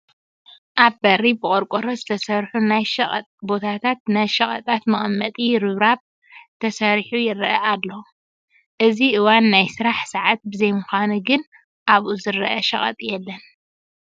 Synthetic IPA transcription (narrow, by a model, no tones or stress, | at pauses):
ʔaβbɐribɨkʼoɾkʼoɾozɨt̪ʰɐsɐɾħunajʃɐɐ̰t̪ʼbo̞t̪ʰat̪ʰat̪̚najʃɐχʼɐ̰t̪ʼat̪mɐχʼɐmːɐt̪ʼiɾɨβɾaβ | t̪ʰɐsɐɾħujɪɾɐʔɐʔalːo | ʔɨziʔɨwanːajsɨɾaħsaʕat̪̚bɨzɐjmʊxanuɡɨn | ʔaβʔuzɨɾɐʔɐʃɐ̰χʼɐ̰t̪ʼjɛlːɐn